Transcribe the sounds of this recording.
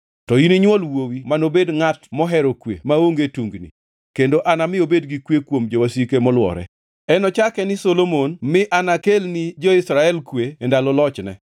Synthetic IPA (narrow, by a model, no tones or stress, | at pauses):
tɔiniɲwɔlwowimanobedŋatmɔɦɛɾokwḛmaoŋɡetuŋɡnḭ | kendoʔanamɪobedɡikwekwomd͡ʒowasikemɔlwɔ̰ɾɛ̰ | ɛnɔt͡ʃakɛnɪsolomonmɪʔanakelnid͡ʒoɪsɾaɛlkweːndalɔlɔt͡ʃnɛ̰